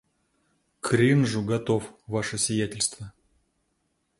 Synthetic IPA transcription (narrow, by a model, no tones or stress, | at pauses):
kɾʲinʐuɡɐt̪ofvaʂɨsʲvʲɪjætʲɪlʲst̪və